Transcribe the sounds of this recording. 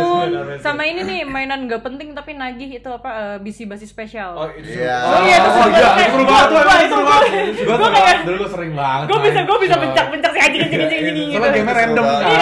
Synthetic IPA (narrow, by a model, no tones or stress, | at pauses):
nsamaininɪhmainanŋɡaʔpənt̪ɪŋt̪apinaɡɪhit̪uapaəbisibasɪsːpesial | ojat̪usaapɾubat̪ubaipɾubaɡɡuakajadaluɡusəɾɪŋbaŋətɡuabisaɡuabisabəɲt͡ʃak̚pəɲt͡ʃak̚siad͡ʒiŋid͡ʒəŋid͡ʒəŋd͡ʒiŋilaɡemɛɾɛndəmka